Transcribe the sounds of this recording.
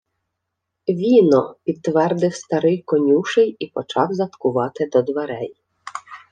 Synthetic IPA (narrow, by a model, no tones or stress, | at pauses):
ʋʲinɔpʲid̪ːʋɛrd̪ɪwst̪ɐɾɪjkɔnʲuʃɪjipɔt͡ʃɑwzɐt̪kʊʋɑt̪ɪd̪ɔd̪ʋeɾɛj